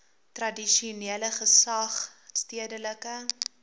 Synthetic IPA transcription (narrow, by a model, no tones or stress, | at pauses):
trɐdiʃiuniələχəsɐχstiədələkə